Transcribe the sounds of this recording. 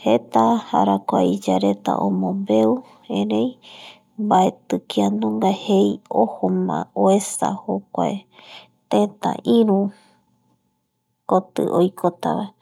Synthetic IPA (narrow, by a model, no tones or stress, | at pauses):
het̪aha̰ɾakʷaid͡ʒaɾet̪a̰ʔõmõmbe̞u | ẽɾẽj | baet̪ɨkiand̪ũŋɡahejohomã̰oesahokʷae | t̪ẽt̪a̰ʔĩɾũ | kot̪ɨ̰ʔojkʰot̪a̰βae